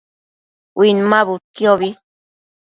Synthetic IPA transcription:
winmaβukjoβi

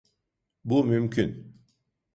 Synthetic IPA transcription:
bumymkin

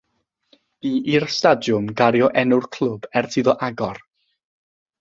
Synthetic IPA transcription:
iʔirstadjʊmɡaɾjɔʔɛnʊrkʰl̥ˠʊbɛrtʰiðɔʔaɡɔr

